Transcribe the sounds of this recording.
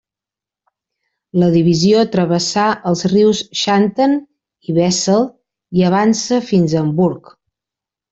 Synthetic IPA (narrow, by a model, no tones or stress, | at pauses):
ləðiβ̞iziot̪ɾəβəsaʔəlˠzriwsʃant̪ən | iβɛsəlˠ | iəβ̞ansəfinzəmbuɾk